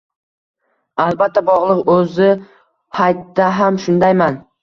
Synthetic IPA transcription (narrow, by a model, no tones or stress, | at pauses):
alˠbat̪ʰːabɒʁlˠɨqɵzɪ | hajt̪d̪aɦamʃʊnd̪ajman